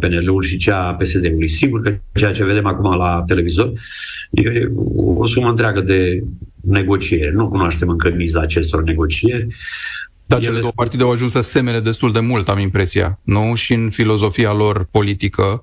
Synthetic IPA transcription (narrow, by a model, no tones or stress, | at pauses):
pe̞neleulʃit͡ʃape̞se̞d̪e̞ulujsiɡurkət͡ʃejat͡ʃe̞ve̞d̪e̞makumalat̪e̞le̞vizo̞r | jḛo̰suməɨnt̪ɾeaɡəd̪e̞ne̞ɡo̞t͡ʃie̞ɾʲnukunoaʃt̪e̞mɨŋkəmizaːt͡ʃe̞st̪o̞rne̞ɡo̞t͡ʃie̞rʲ | d̪̥ajt͡ʃeled̪owəəpart̪id̪e̞awaʒunsəse̞mele̞d̪e̞st̪uld̪e̞mult̪amimpɾe̞sija̰nuʃiɨnfilo̞zo̞fialo̞rpo̞lit̪ikʰə